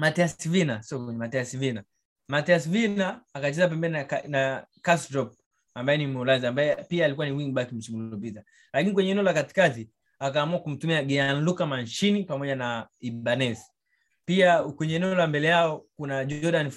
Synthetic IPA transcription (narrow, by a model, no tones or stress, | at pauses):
matɛasivinasiɔkmatɛasivina | matɛasivinaːkat͡ʃɛzap̬ɛmbɛnianakasdɾɔp̚ | ambajɛnimulaziambaɛpiaːlikuwaniwiŋɓakim̩t͡ʃimulɔp̬ita | lakinikwɛɲɛnɛɔlakati̥kazi | akaːmuakum̩tumiaɡɛanlukamant͡ʃinipamɔʄanaiɓanɛsi̥ | piakwɛɲɛːnɛɛɔlambɛlɛjaɔkunaʄɔdanf